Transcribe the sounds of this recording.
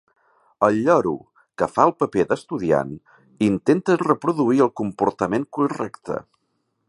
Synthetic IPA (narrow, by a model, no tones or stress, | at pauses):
əlʎɔɾṵ | kəfaəlˠpəpeðəst̪uðia̰n | int̪ent̪ərəpɾuðuiəlˠkumpuɾt̪əmeŋkurɛkt̪ə̰